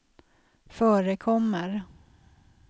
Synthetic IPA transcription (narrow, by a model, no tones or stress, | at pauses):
fœːɾəkʰɔmːəɾ